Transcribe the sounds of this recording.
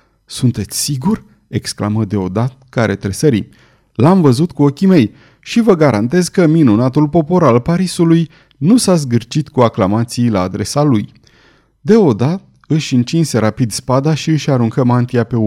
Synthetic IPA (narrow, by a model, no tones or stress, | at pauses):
sunt̪e̞t̪sʲsiɡurʲ | e̞kskla̰məd̪e̞o̞d̪at̪̚kaɾʔe̞t̪ɾe̞səɾḭ | lamvəzut̪kuo̞kʲime̞j | ʃivəɡaɾant̪e̞zkəminunat̪ulpo̞po̞ɾalpaɾisuluj | nusaz̬ɡɨrt͡ʃit̪kuaklamat̪sijlaːd̪ɾe̞saluj | d̪e̞o̞d̪at̪̚ | ɨʃʲɨnt͡ʃinse̞ɾapid̪spad̪aʃiɨʃʲaɾuŋkəmant̪iape̞u